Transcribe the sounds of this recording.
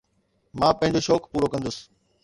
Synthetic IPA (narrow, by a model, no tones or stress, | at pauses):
mãːpɐ̃ɦɪ̃ɲd͡ʑoʃɔːkpuːɾokɐ̃nd̪əsɪ̥